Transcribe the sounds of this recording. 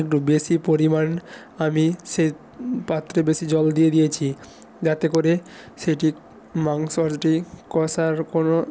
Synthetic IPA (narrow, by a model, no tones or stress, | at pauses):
ekʈubeʃipoɾiman | amiʃe | pat̪ːɾebeʃid͡ʑɔld̪ijed̪ijet͡ɕʰi | d͡ʑat̪ekoɾe | ʃeʈi | maŋsɔɾd͡ʑʈikɔsaɾkono